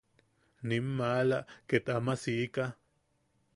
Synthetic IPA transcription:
nimːalaʔket̪amasiʔka

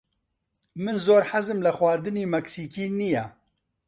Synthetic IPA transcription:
mɨnzoːɾħazɨmlɐxwaːɾd̪ɨniːmɛksiːkiːnijɛ

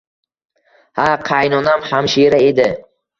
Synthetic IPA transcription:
haqʰɑjnɒnamhamʃiɾae̞d̪ɪ

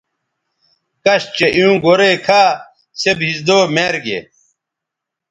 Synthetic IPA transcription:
kɐɕt͡ɕeʔiũːɡoɾekʰaː | sebɦisd̪oːmeɾɡḛ

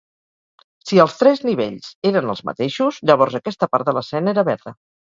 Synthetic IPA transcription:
siəlˠst̪ɾɛzniβ̞eʎzeɾənə̰lˠzmə̰t̪eʃuzʎəβɔɾzəkɛst̪əpaɾt̪d̪ələsɛneɾəβɛɾt̪ə

